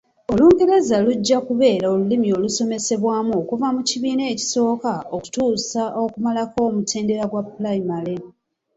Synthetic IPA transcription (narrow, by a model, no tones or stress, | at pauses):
o̞luːŋɡeɾe̞zaluɟːakuβe̞ːɾaolulimio̞luso̞me̞se̞βwaːmuokuvamuciβiːne̞ːci̥so̞ːkaoku̥tuːsaʔo̞kumalako̞ːmutʰe̞ːnde̞ɾaɡwapulaimale